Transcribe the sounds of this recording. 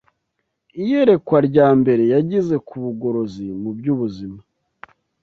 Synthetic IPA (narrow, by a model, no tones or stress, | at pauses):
ije̞ɾe̞kwaɾɟaːmbe̞ɾe̞jaɟize̞kuβuɡo̞ɾo̞zimubɟuːβuzima